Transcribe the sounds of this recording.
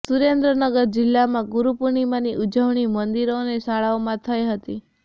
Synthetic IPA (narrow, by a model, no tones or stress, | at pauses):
suɾend̪ɾənəɡəɾd͡ʒɪlːamãɡuɾupuɾɳimãniʔud͡ʒəʋɳimənd̪iɾonesaɭaomãt̪ʰəjɦət̪i